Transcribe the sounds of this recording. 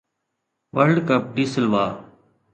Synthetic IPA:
ʋəɾlɖkəp̚ɖiːsəlʋaː

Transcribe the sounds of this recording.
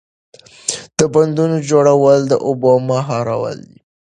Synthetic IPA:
d̪̥əband̪unod͡ʒoɽawəld̪əʔobɑmɑɦɑɾa̰wə̰ld̪i

